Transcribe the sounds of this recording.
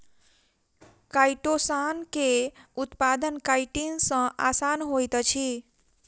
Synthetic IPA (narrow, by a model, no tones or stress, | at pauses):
kajʈosankeut̪pad̪ənkajʈinsʌ̃ʔasanɦojt̪t͡ʃʰi